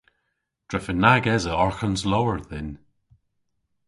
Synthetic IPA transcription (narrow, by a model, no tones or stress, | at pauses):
d̥ɹɛfənːaɡɛzəɔɹxənzlowəɹðɪn